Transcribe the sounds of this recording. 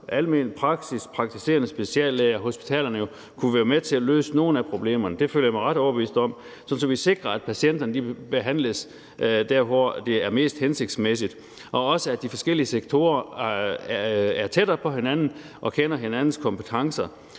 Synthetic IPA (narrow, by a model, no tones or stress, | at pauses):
ʔælme̝nipʰʁɑ̈ɡ̥sispʰʁɑ̈ɡ̥̚t͡sʰise̝̰ːɐnəsb̥e̝siɛ̰ːlːeːɐɦo̝sb̥i̥t͡sʰɛ̰ːlɐnəjo̝ | kʰuʋæːɐmet͡sʰe̝ælø̰ːsəno̝ːn̩æpʰʁo̝b̥le̝̰ːmɐnəd̥e̝føl̰ɐjamɑɪʁɑ̈ɾ̥ɒʊɐb̥əʋḭːsd̥ɒ̽m̰ | sɒ̽n̩sɒ̽mʋise̝ɡ̥ʁɐæd̥̚pʰæɕien̰d̥ɐnəd̥ib̥e̝ɦæn̰ləs | d̥æɐ̰fɒd̥e̝æɐme̝̰ːsd̥hense̝ɡ̥̚d̥smes̬id̥ | ʔɒ̽ɒ̽səæd̥ifɒ̽sɡ̥el̰iəseɡ̥̚t͡sʰo̝̰ːɐ | æɐt͡sʰed̥ɐːpʰɒ̽ɦe̝nænn̩ | ʔɒ̽kʰenɐɦe̝nænn̩skʰɒ̽mpʰət͡sʰɑ̈ŋsɐ